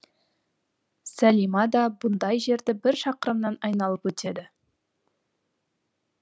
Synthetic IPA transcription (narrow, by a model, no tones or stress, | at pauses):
sælimɑd̪ɑbʊnd̪ɑjʒe̞ɾd̪ɪbɪɾʃɑqəɾəmnɑnɑjnɑlˠəpwɵt̪ʰe̞d̪ɪ